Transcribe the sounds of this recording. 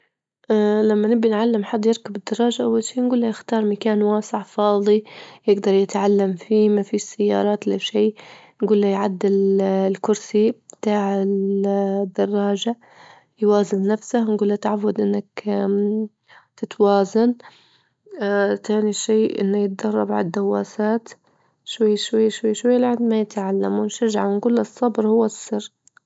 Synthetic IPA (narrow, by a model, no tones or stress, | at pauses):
ʔlamːanɪbːiɪnʕalːɪmħad̪ˤːjɪɾkabɪd̪ːɑrˤːɑːʒaʔawːalʃiːnɡuːlːajɪxt̪ɑːɾˤmakaːnwaːsɪʕfɑːðˤijɪɡd̪ɑɾˤjɪt̪ʕalːamfiːmafisajːɑ̰ːɾˤɑːt̪laʃiː | nɡuːlːajʕad̪ːɪllkʊɾsib̚t̪aːʕɪld̪ːɑrˤːɑːʒa | jwaːzɪnːafsahnɡuːlːat̪ʕawːad̪ʔɪnːak | t̪ɪt̪waːzan | t̪ʰaːniʃeːʔɪ̰nːajɪt̪̚d̪ɑrˤːɑbʕa̰d̪ːawːa̰ːsaːt̪ | ʃwajːʃwajːʃwajːʃwajːalaʕand̪majɪt̪ʕalːamwɪnʃaʒaʕawnɡuːlːasˤːɑbɾhʊwːasːɪrː